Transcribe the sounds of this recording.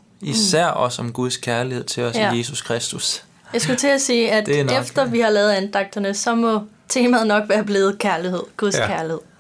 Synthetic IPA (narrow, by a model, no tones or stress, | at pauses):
isæɐ̰ɒ̽sɒ̽mɡ̥uð̞ˠskʰæɐlihe̝ð̞̰ˠt͡sʰe̝ɒsje̝ːsuskʰʁɛsd̥us | jɑ̈ɪsɡ̥ut͡sʰe̝æsiːæd̥nefd̥ɐʋihɑ̈lɛːð̩ˠænd̥ɑ̈ɡ̥̚d̥ɐnəsɒ̽mɒ̽ | t͡sʰe̝ːmæð̩ˠnɒ̽ɡ̥ʋæːɐb̥le̝ːð̞̩ˠkʰæɐlihe̝ð̰ˠɡ̥uðˠskʰæɐlihe̝ð̰ˠ